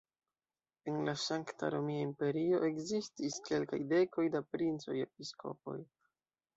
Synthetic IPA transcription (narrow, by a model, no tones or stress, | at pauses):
e̞nlasaŋkta̰ɾo̞miaimpe̞ɾio̞ʔe̞ɡzistiske̞lka̰jde̞ko̞jdapɾint͡so̞je̞p̚iskʰo̞̰po̞̰j